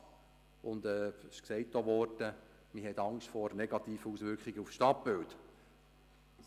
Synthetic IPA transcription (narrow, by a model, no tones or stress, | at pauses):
ʊnd̪ɛːɪʃksɛɪtːoʋɔrtə | miɦɛtɑŋʃtfɔɾnɛɡɑt̪iːfəusʋʏɾkχiɡəufʃtɑpbɪlt